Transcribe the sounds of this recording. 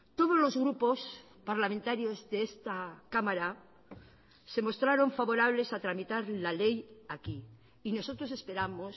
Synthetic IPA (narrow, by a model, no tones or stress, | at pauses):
t̪o̞ð̞ozlo̞zɣɾupo̞s | paɾlamẽnt̪aɾjo̞zðeest̪akamaɾa | se̞mo̞st̪ɾaɾo̞ɱfaβo̞ɾaβ̞le̞sat̪ɾamit̪aɾlale̞jaki | ino̞so̞t̪ɾo̞se̞spe̞ɾamos